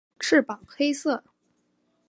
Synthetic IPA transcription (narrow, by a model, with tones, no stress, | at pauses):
ʈ͡ʂʰɻ̩˥˩pɑ˨˩ŋxe˥ɪsɤ˥˩